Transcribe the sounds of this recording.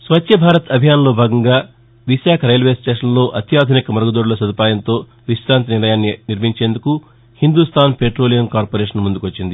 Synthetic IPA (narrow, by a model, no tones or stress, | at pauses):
sʋɐt̪ʰjɐbʱaːɾɐt̪ɐbʱijaːnɐlo̞ːbʱaːɡɐŋɡaː | ʋiʃaːkʰɐɾejlʋe̞ːsʈe̞ːʂɐnlo̞ːʔɐt̪jaːd̪ʱunikɐmɐɾɐɡud̪oːɽulɐsɐd̪upaːjɐnt̪o̞ː | ʋiʃɾaːnt̪niɾnɐjaːnːiniɾmiɲt͡ʃeːnd̪uku | hind̪ust̪ʰaːnpeʈɾo̞ːlijɐmkaːɾpoːɾeːʂɐnmund̪ukʋɐt͡ʃːind̪i